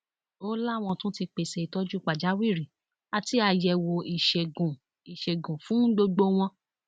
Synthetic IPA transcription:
o˦la˦˨w̃ɔ̃˧tũ˦ti˧k͡pe˧sɛ˧i˧tɔ˦d͡ʒu˦k͡pa˨d͡ʒa˨˦wi˦˨ɾi˨ | a˧ti˦a˧˨jɛ˧˨wo˧i˨ʃe˨ɡũ˨ | i˨ʃe˨ɡũ˨fũ˨˦ɡ͡bo˧ɡ͡bo˦w̃ɔ̃˧

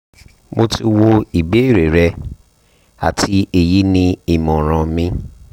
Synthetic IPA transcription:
mo˦ti˦wo˧i˨be˨˦i˦˨ɾe˨ɾɛ˧ | a̰˨tʰi˧˦e˨ji˨˦nĩ˧i˦˨mɔ̃˨ɾ̃ã˧mĩ˦

